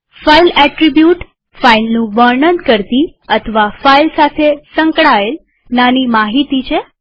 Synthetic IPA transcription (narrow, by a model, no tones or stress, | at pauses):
failɛʈɾibjuʈ | failnũʋəɾɳənkəɾt̪iət̪ʰəʋafailsat̪ʰesə̃ŋkɭael | nanimaɦit̪it͡ʃʰe